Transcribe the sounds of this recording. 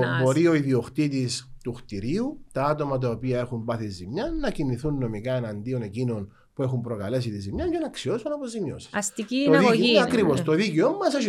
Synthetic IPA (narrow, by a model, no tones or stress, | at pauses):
bo̞ɾio̞iðioxt̪it̪ist̪uxt̪iɾiut̪ɐɐt̪o̞mɐt̪̬ɐopiɐe̞xumbɐθizimɲɐːɐciniθunːo̞mikɐenɐnd̪io̞ne̞cino̞n | pue̞xumpɾo̞kɐle̞sit̪izimɲɐɲɟenɐːksio̞sunɐpozimjosi̥sɐst̪icioðɐkɾivost̪o̞ðiceomːɐse